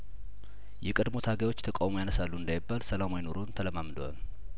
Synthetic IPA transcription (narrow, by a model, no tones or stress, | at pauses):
jɛkʼəd̪mo̞t̪ʰaɡawo̞t͡ʃːt̪ʰəkʼawmojanəsalːuɨnd̪ajɪbːalsəlamajɪno̞ɾo̞nt̪ʰələmamd̪əwa̰l